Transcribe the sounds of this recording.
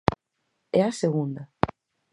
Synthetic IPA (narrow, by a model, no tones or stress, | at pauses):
ɛaseɣũnd̪ɐ